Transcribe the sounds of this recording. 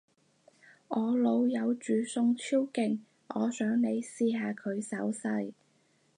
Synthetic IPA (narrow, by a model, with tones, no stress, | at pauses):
ʔɔː˨˧lo˨˧wjɐ˨˧wt͡ʃyː˨˥sʊ˧ŋt͡sʰiː˥wkɪ˨ŋ | ʔɔː˨˧sœː˨˥ŋne˨˧jsiː˧ɦaː˨˧kʰɵ˨˧ɥsɐ˨˥wsɐ˧j